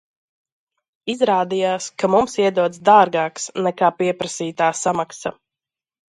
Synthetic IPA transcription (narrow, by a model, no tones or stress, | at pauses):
izɾaːd̪ijaːskamumsiɛd̪uɔd̪sd̪aːɾɡaːksnɛkaːpiɛpɾasiːt̪aːsamaksa